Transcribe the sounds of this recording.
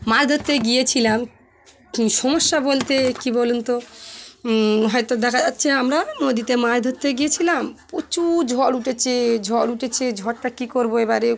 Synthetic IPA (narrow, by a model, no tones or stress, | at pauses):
maɾd̪ʱot̪ːeɡijet͡ɕʰilam | ʃɔmoʃːabolt̪ekibolunt̪o | ɦɔet̪od̪ɛkʰad͡ʑatːɕʰeamɾanod̪it̪emaɾd̪ʱot̪ːeɡijet͡ɕʰilampot͡ɕud͡ʑʱɔɽuʈet͡ɕʰed͡ʑʱɔluʈʰet͡ɕʰed͡ʑʱɔɽʈakikoɾboebaɾe